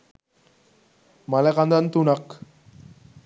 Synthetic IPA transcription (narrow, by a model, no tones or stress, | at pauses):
maleɣand̪ant̪unak